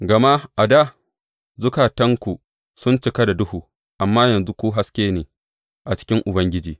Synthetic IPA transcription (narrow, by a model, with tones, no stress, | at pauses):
ɡɐ˨ma˦ʔa˨da˦ | zʊ˦kaː˨tɐ˦ŋkʷu˨ | sʊ˦nt͡ʃɪ˦kɐ˦da˨dʊ˦huː˨ | ʔa˨mːaː˦jɐ˨nzu˦kʷuː˦ɦa˦skʲeː˦neː˨ | ʔa˨t͡ʃɪ̥˦kʲɪ˦ŋʔʊ˨bɐ˦ŋɡʲɪ˦d͡ʒiː˨